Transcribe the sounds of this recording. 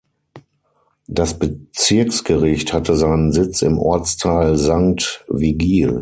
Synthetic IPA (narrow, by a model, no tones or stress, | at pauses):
d̥asb̥ət͡sɪɐksɡ̥əʁɪçthatəzaɪnənzɪt͡sɪ̰mʔɔ̰ɐt͡stʰaːlzaŋk̚tviɡiːl